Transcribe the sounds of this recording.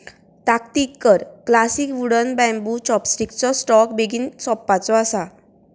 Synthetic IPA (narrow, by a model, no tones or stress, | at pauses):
t̪akt̪ikːəɾklasikʋuɽənbɛ̃mbut͡ɕɔpsʈikt͡sɔsʈɔkbeɡiːnsɔpːat͡sɔasa